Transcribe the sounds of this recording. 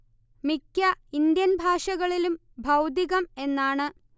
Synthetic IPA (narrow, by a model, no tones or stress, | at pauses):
mikʲːɐind̪jɐnbʱaːʂɐɣɐɭilum | bʱɐwd̪iɣɐme̞nːaːɳɨ